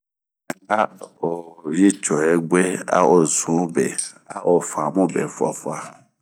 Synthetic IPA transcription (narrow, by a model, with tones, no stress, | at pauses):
a˦o˨je˦t͡ʃɔ˨ɛ˨ɡ͡be˦a̰˦o˨zũ˨˦bɛ˨ | a̰˦ʔo˨fã˨mũ˦bɛ̰˨fa̰˨fa˦